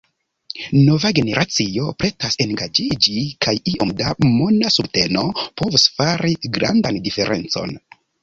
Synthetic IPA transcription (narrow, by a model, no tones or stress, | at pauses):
no̞vaɡe̞ne̞ɾʔat͡sio̞pɾe̞tase̞ŋɡad͡ʒid͡ʒikajiʔo̞mdamonasute̞no̞po̞vusfaɾiɡɾa̰ndandife̞ɾʔe̞̰nt͡so̞̰n